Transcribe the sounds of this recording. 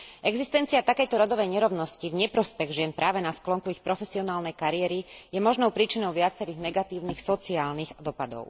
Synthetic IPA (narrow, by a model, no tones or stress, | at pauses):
ʔɛɡzist̪ɛnt͡siat̪akɛjt̪ɔɾɔd̪ɔʋɛjɲɛɾɔʊnɔscivɲɛpɾɔspɛɣʒɪɛnpɾʔaːʋɛnasklɔŋkuixpɾɔfɛsiɔnaːlnɛjkaɾiɛɾijɛmɔʒnɔʊpɾiːt͡ʃinɔʊʋɪat͡sɛɾiːɣnɛɡat̪iːʊniːxsɔt͡siaːlniɣd̪ɔpad̪ɔ̰ʊ